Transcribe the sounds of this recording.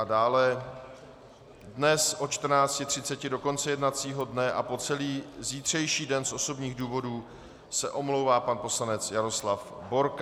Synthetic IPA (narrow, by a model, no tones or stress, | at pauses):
adaːlɛ | dnɛsʔo̞t͡ʃt̪r̩naːt͡scɪt̪r̝̥ɪt͡sɛcɪdo̞ko̞nt͡sɛjɛdnat͡siːɦo̞dnɛʔa̰po̞t͡sɛliːziːt̪r̝̥ɛjʃiːdɛnsʔo̞so̞bɲiːɣduːvo̞duː | sɛʔo̞mlo̞wvaːpanpo̞slanɛt͡sjaɾo̞slafbo̞ɾk